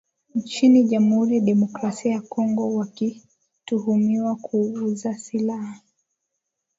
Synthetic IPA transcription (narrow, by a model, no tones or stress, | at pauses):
ɲt͡ʃiniʄam̩huɾiɗɛmɔkɾasiajakɔŋɡɔwaki | tuhumiwakʰuuzasilaha